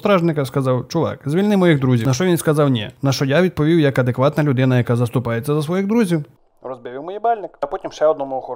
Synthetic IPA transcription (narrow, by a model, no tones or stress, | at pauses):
t̪ɾɑʒnɪkɐskɐzɑwt͡ʃʊʋɑ̰kzʲʋʲilʲnɪmɔjiɣd̪ɾuzʲinɐʃt͡ʃɔʋʲinskɐzɑwnʲɛ̰nɐʃt͡ʃɔjaʋʲid̪̚pɔʋʲiwjɐkɐd̪ekʋɑt̪nɐlʲʊd̪ɪnɐjɐkɑzɐst̪ʊpɑjet͡sʲːɐzɐsʋɔjiɣd̪ɾuzʲiw | ɾɔzbʲɛʋʲiwmɔjibɑlʲnɪkɐpɔtʲimʃɛɔd̪nɔmʊɔxɔ